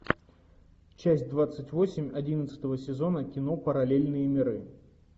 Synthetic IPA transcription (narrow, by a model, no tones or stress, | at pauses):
t͡ɕæsʲt̚ʲd̪vat̪sɨtʲvo̞sʲɪmʲɐdʲinət̪sɨ̥t̪əvəsʲɪzo̞nəkʲɪno̞pəɾɐlʲelʲnɨjəmʲɪɾɨ